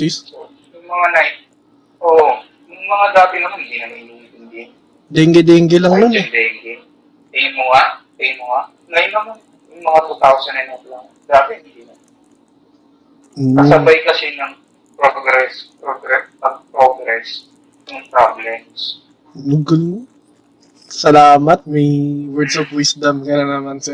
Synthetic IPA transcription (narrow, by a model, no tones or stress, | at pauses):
iso | jʊŋmɐŋana | ʔoʔ | jʊŋmɐŋad̪aːp̪ɪnɐmand̪inɐnɐɪniid̪ɪŋɡ̪ɪ | d̪ɛŋɡɛd̪ɛŋɡɛlɐŋnʊnd̪ɛŋɡɛ | ɐjmʊŋa | ɐjmʊŋa | ŋɐjʊnːɐman | jʊŋmɐŋat̪ut̪awsɐnɐnɐt̪lɐŋ | d̪aːt̪ɪɪnd̪inɐ | oɐsɐbajkɐsɛnɐŋ | pɾoɡɾɛspɾoɡɾɛsɐŋpɾoɡɾɛs | nʊŋpɾablɛms | ɡl | sɐlaːmɐt̪̚mɐjwɛɹd̪sɔvwisd̪ɐmkɐnɐnɐmɐnsɛ